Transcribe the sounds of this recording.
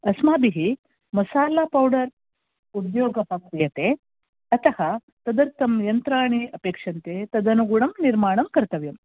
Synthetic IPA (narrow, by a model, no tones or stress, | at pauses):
ɐsmaːbiɦi | mɐsaːlaːpɐwɖɐɾ | ud̪joːɡɐɦɐkɾijɐt̪e | ɐt̪ɐhɐ | t̪ɐd̪ɐɾt̪ɐmjɐnt̪ɾaːɳiɐpeːkʂɐnt̪et̪ɐd̪ɐnuɡuɳɐmniɾmaːɳɐmkɐɾt̪ɐʋjɐm